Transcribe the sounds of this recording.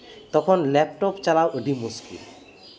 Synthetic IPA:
t̪ɔkʰonlɛp̚ʈopt͡ɕalaoʔoɖimuskḭl

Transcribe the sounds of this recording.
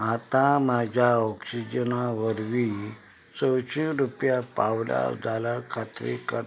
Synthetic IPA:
at̪ãmad͡ʑʱjaɔksid͡ʑənaʋəɾʋi | t͡səwɕiɾupjapawla̰d͡zʱalaɾkʰat̪ʋḭkə̰

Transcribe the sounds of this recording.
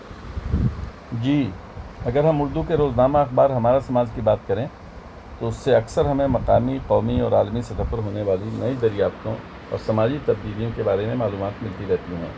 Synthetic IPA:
d͡ʒiː | ɐɡəɾɦɐmʊɾd̪ukeɾoːznaːmaɐxbaːɾɦɐmaːɾasɐmaːd͡ʒkibaːt̪̚kɐɾẽ | t̪oʊsːeɐksəɾɦɐmẽmɐqaːmiqɔːmiɔːɾaːlmisɐt̪ʰɐpɐɾɦoːneʋaːlinɐid̪ɐɾijaːft̪õ̰ | ɔ̰ːɾsɐmaːd͡ʒit̪ɐb̚d̪iːlijõkebaːɾemẽmaːluːmaːt̪mɪlt̪iɾɛɦt̪iɦɛ̰̃ː

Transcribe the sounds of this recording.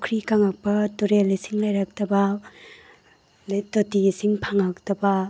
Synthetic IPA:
kʰɾikaŋak̚pɐtuɾelːisiŋlajɾak̚tɐbɐ | ltotisiŋpʰaŋak̚tɐbɐ

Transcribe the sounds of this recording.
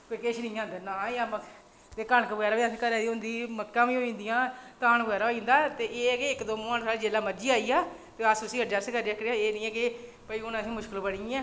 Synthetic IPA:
kokeːʃɾiːãːɡ̪ənãːjaːm | t̪eːkəɳkbəɛːɾaaːsĩːkəɾɛːd̪iːɦʊ̃nd̪iːməkːãːʋĩːɦoːĩnd̪ɪjãːt̪aːɳbɛːɾaːoːĩnd̪aːt̪eːeːɡeɪkd̪oːmːnsaːld͡ʒeːlaːməd͡ʒiːaːiːaː | t̪eːəsʊsĩːəd͡ʒəɾskəɾeːəkʰɾaːeːnĩːɛːkeː | pəiːʊnãːsĩːmʊʃkəlbəɽiːɛ̃ː

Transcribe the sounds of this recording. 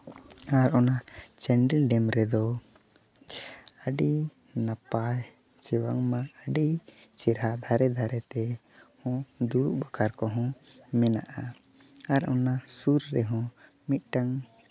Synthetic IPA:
aɾɔnaʔt͡ʃɛɳɖɛlɖɛmɾɛd̪ɔ | əɖi | napaj | t͡ʃɛwa̰ŋmaəɖi | t͡ʃɛɾɦad̪ʱaɾɛd̪ʱaɾɛt̪ɛ | hɔ̃d̪uɽuʔbakaɾkɔɦɔ̃mɛnaʔa | aɾɔ̰nasuɾɾɛɦɔ̃ | mit̪̚ˀʈaŋ

